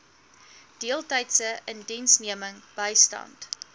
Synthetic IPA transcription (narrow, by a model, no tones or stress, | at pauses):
d̥iəlˠtəjtsəʔəndɛnsniəməŋb̥əjstɐ̰nt